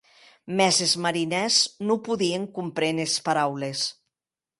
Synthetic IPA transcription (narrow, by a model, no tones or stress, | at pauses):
mɛzezmaɾinɛznupuðieŋkumpɾenespaɾawles